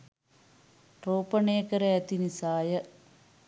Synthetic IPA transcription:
ʈoːpəneːkəɾəɛt̪inisaːjə

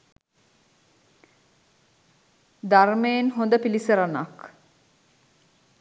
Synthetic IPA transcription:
d̪armeːnɦond̪əpilisəɾanak

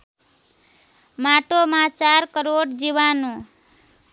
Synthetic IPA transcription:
maʈomãt͡ʃaɾkəɾoɽd͡ʒiʋanũ

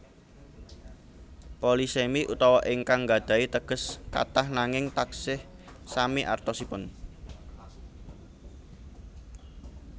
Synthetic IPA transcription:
polisemiʔut̪ɔwɔʔɪŋkaŋɡad̪̥a̤it̪əɡ̥ə̤ska̰t̪ahnaŋɪŋt̪aksɪh | samiʔa̰rt̪osipʊn

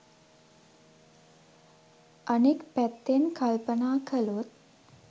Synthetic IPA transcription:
ʔənekpæt̪ːenkʰalpənaːkʰəlut̪̚

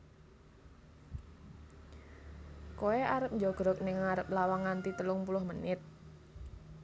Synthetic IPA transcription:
koɛʔaɾəp̚ɲd͡ʒɔɡ̥ɾɔk̚nɪŋaɾəp̚lawaŋant̪it̪əlʊŋpulʊhmənɪt̪̚

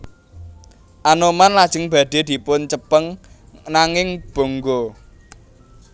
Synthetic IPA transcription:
ʔanomanlad̥ʒ̥ə̤ŋb̥ä̤ɖ̪̥e̤d̪̥i̤pʊnt͡ʃəpəŋ | naŋɪŋb̥o̤ŋɡo

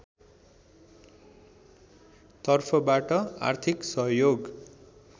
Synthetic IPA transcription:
t̪ʌrpʰʌbaʈʌa̰rt̪ʰiksʌɦjoɡ

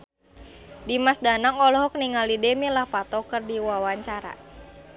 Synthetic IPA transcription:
dimasdanaŋɔlɔɦɔk̚niŋalidɛmilahpat̪ɔkɨrdiwawaɲt͡ʃaɾa̰

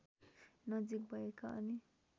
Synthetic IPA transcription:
nʌd͡zik̚bʱʌekaʔʌ̰ni

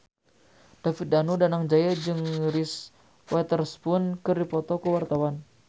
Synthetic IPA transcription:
d̥afit̪̚danudanaŋd͡ʒajad͡ʒɨŋɾis | wɛt̪ərspʊnkədipɔt̪ɔkəwart̪awan

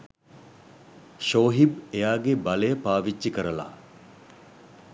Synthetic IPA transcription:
ʃoːɦibejaːɡebalejəpaːʋid͡ʒːikəɾəla̰

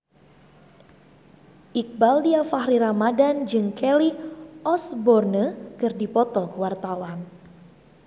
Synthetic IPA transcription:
ʔik̚baldiafahɾiɾamadand͡ʒɨŋkʰɛliʔɔsbɔrnəkɨrdipɔt̪ɔkəwart̪awan

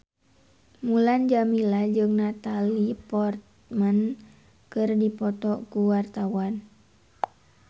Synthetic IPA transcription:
muland͡ʒamilad͡ʒɨŋnat̪alipɔrt̪ | mən | kɨrdipɔt̪ɔkuwart̪awan

